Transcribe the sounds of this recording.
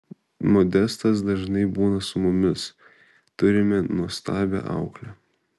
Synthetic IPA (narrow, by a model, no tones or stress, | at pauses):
moːd̪ʲɛst̪ɐs̬d̪ɐʒnɐɪbuːnɐsʊmʊmʲɪs | t̪ʊɾʲɪmʲɛnuɔst̪ɑːbʲɛ̰ʔɑ̰ʊklʲɛ